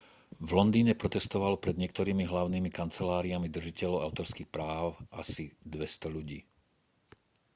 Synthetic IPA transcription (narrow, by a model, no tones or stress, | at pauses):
vlɔnd̪iːɲɛpɾɔt̪ɛst̪ɔʋalpɾɛd̪ɲɪɛkt̪ɔɾiːmiɦlaʊniːmikant͡sɛlaːɾiamid̪r̩ʒicɛʎɔʊaʊt̪ɔɾskixpɾaːʊʔa̰sid̪ʋɛst̪ɔʎuɟiː